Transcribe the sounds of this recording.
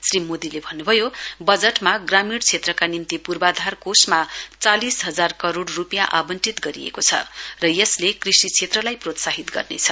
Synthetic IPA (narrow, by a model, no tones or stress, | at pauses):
srimod̪ilebʱʌnːubʱʌjobʌd͡zeʈmaɡramiɽt͡sʰet̪rʌkanint̪ipurbad̪ʱarkosmat͡salisɦʌd͡zarkʌɾoɽrupijaʔabʌnʈit̪ɡʌɾijḛkot͡sʰʌ̰rʌjʌslekrisit͡sʰet̪rʌlajprot̪saɦit̪ɡʌ̰rnḛt͡sʰʌ